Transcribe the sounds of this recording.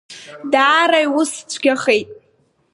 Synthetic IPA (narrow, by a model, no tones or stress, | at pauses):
daːɾajwʊst͡sʷʰɡʲaχe̞jtʼ